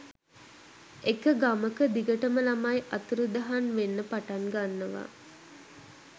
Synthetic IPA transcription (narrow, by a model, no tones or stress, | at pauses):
ekəɡaməkəd̪iɡəʈəməlamajʔat̪uɾud̪aɦanʋenːəpaʈaŋɡanːəʋa̰